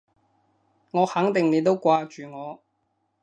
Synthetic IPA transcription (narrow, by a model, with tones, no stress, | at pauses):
ŋɔː˨˧hɐ˨˥ŋt̪ɪ˨ŋne˨˧jt̪o˥wkʷaː˧t͡ʃyː˨ŋɔː˨˧